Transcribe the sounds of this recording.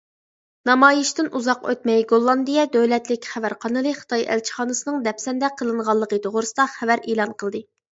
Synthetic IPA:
nɑmɑːjiʃt̪ɪnuzɑqø̰t̪mɛjɡolˠːɑnd̪ijɛd̪øwlɛt̪lɪkʲχævæɾqʰɑnɨlˠɨχə̥t̪ʰɑjæ̰lt͡ʃʰə̥χɑːnɨsɨnɨŋd̪ɛpsɛnd̪ɛqʰəlˠɨnʁɑlˠːəqət̪ʰoʁʊɾɨsɨd̪ɑχævæɾeːlˠɑnqʰəlˠd̪ɨ

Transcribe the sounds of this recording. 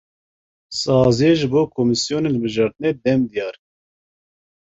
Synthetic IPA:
sɑːzijɛʒɨboːkʰomisijoːnenəlbɨʒɑːɾt̪ɨned̪ɛmd̪ijɑːɾ

